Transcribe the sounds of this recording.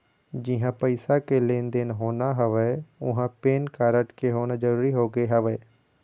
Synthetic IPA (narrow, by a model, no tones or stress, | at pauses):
d͡ʒɪɦãpəɪsakelẽːnd̪eːnɦoːnaɦɐʋɛʊɦãpeːnkaːɾəʈkeɦoːnad͡ʒəɾuːɾiɦoːɡeɦɐʋɛː